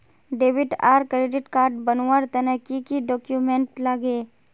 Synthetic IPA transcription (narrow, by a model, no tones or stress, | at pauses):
ɖeːʋɪʈaːɾkɾeɖɪʈkaːɾʈbɐnwəɾt̪ɐnəkikiɖɔːkjumẽɳʈlaɡeː